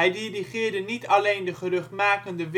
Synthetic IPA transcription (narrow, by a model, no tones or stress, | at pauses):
ɛjdiriχɪːɹdənitɑlejndəχərɵχtmaːkəndəʋ